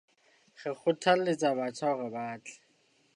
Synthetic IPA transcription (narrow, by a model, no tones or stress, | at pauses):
χɛχʊtʰalet͡sabat͡sʰaɣɛbaːt͡ɬɛ̥